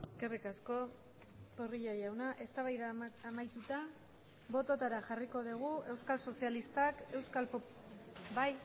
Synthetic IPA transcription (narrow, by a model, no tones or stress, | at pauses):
eske̞rikasko̞ | poriʎojawnaʔe̞st̪aβajðaːmajt̪ut̪a | βo̞t̪o̞t̪aɾaʝariko̞ðiɣ̞ue̞wskalso̞sialist̪ake̞wskalp | baj